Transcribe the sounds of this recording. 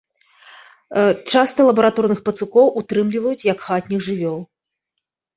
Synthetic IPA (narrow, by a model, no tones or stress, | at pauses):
t͡ʂast̪ɐlˠɐbɐɾat̪ɔrnɨxpɐt̪sukɔwʔut̪ɾɨmlʲivɐjut͡sʲjɐkxat̪ʲnʲixʐɨvʲɔlˠ